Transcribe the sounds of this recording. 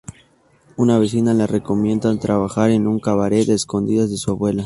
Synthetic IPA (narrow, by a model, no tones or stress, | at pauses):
unaβe̞s̬inalare̞ko̞mje̞nd̪at̪ɾaβaxaɾenuŋkaβaɾe̞eːsko̞nd̪iðazðe̞suaβwe̞la